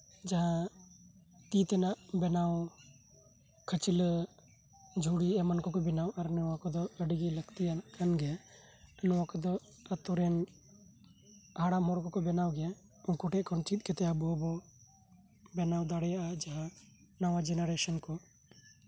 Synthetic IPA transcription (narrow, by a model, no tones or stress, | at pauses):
d͡ʒaɦã | t̪it̪ɛnaʔbɛnaw | kʰət͡ʃil | d͡ʒʱuɽiɛmankɔkɔbɛnawʔaɾnɔwakɔd̪ɔəɖɡiləkt̪ijanaʔkʰanɡɛ | nɔwakɔd̪ɔ | ət̪ɔɾɛn | haɽamɦɔɾkɔkɔbɛnawɡɛ | unkɔʈɛʔkɔnt͡ʃit̪̚ˀkɛt̪ɛabɔɔbɔ | bɛnawd̪aɽɛjaʔad͡ʒaɦã | nawad͡ʒɛnaɾɛsɔnkɔ